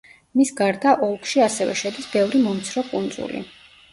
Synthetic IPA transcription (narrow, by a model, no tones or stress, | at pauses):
misɡaɾd̪aʔɔlˠkʰʼʃiasɛvɛ̰ʃɛd̪isbɛvɾimɔmt̪sʰɾɔkʼund̪zṵlḭ